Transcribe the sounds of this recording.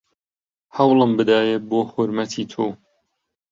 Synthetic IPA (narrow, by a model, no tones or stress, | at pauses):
hɐwlˠɨmbɨd̪aːjeboːhʊɾmɐt̪ʰiːt̪ʰoː